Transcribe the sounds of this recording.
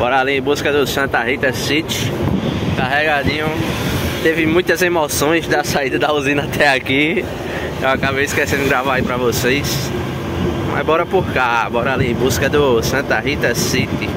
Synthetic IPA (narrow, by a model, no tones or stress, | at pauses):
bɔɾaliẽbuzkɐd̪ʊsɐ̃t̪ɐɦit̪ɐsit͡ʃ̪ɪ̥kaɦɛɡad̪ĩɲũt̪evɪmũj̃t̪ɐzemosõj̃zd̪ɐsaid̪ɐd̪auzĩnɐat̪ʰɛaki | ewakabejiskesẽnd̪ʊɡɾavaaipɾɐvosejs | ma̰zbɔɾɐpohkabɔɾɐaliẽbuzkɐd̪ʊsɐ̃t̪ɐɦit̪ɐsit̪ɪ